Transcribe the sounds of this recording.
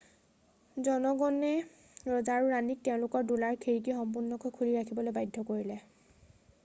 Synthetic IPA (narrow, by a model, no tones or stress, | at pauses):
zɔnɔɡɔnɛ | ɹɔzaɹuɹanik̚tɛʊ̃lʊkɔɹdulaɹkʰeɹik̬ixɔmp̬uɹnːɔkɔjkʰuliɹakʰibɔlojbajdʱːɔkoɹilɛ